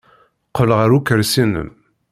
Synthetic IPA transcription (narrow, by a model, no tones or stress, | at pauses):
qələʁəɾukːəɾsinə̰m